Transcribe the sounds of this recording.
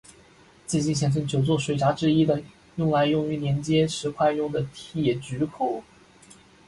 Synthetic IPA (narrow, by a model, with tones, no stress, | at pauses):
t͡sɹ̩˥˧t͡ɕi˥˩nɕ̬jɛ˨˩ns̬ʰə˥˩nt͡ɕjo˨˩ʊt͡swɔ˥˩ʂwe˧˩ɪʈ͡ʂa˧˥ʈ͡ʂɻ̩˥i˥d̪ə˨ | jʊ˥˩ŋla˧˥ɪjʊ˥˩ŋy˧˥njɛ˧˥nt͡ɕjɛ˥ʂɻ̩˧˥kʰwa˥˧njʊ˥˩ŋd̪ə˩t̪ʰjɛ˨˩t͡ɕy˧˥kʰu˥˩